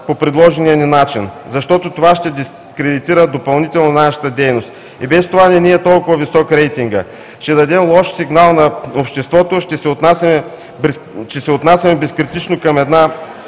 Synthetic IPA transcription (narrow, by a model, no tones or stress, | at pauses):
popɾid̪lˠɔʒɛnijɐninat͡ʃinzɐʃt̪ɔt̪ot̪ovaʃt̪ɛd̪i | kɾɛd̪it̪iɾəd̪opɐlˠnit̪ɛlˠnonaʃɐ̥t̪əd̪ɛjnost̪ | ibɛst̪ovanɛniɛt̪ɔlˠkʊvɐvisɔkɾɛjt̪iŋɡə | ʃt̪ɛd̪ɐd̪ɛmlˠɔʃsiɡnalˠnɐopʃt̪ɛst̪vɔt̪oʃt̪ɛsɛot̪nasʲmɛ | ʃt̪ɛsɛot̪nasʲjɐmɛbɛskɾit̪it͡ʃnokɐmɛd̪na